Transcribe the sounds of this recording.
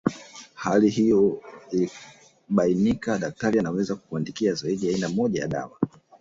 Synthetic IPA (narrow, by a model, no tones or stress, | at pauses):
halihijɔili | ɓainikaɗak̚taɾianawɛzaku̥kuandikiazaiɗiainamɔʄaja̰ɗa̰wa